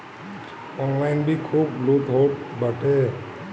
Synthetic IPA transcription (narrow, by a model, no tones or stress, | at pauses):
ɔnlajnbʱikʰublut̪ɦoʈbaʈe